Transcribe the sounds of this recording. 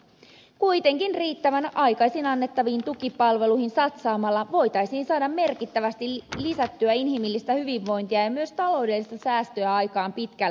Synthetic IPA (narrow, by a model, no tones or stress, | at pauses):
kujt̪e̞ŋkinriːt̪ːæʋænʔɑjkɑjsinɑnːe̞t̪ːɑʋiːnt̪ukipɑlʋe̞luhinsɑt̪sɑːmɑlːɑʋo̞jt̪ɑjsiːnsɑːdɑmme̞rkit̪ːæʋæst̪ilisæt̪ːyæinɦimilːist̪æhyʋiʋːo̞jnt̪iɑjɑmyøst̪ɑlo̞wdelːist̪ɑsæːst̪øæɑjkɑːmpit̪kælː